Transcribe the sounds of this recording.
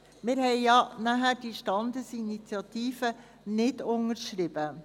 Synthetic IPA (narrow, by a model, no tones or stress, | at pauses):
mɪːɾɦɛɪjɑnæɦæɾd̥iːʃtɑnd̪əsinit͡sjɑt̪iːfə | nɪdʊŋəɾʃɾɪb̥ə